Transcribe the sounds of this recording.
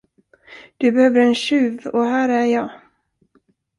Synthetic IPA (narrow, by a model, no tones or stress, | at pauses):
d̪̥ɵbɛhøːvd̪əɾɛnɕʉ̟ːvɔɦæːɾæjɑː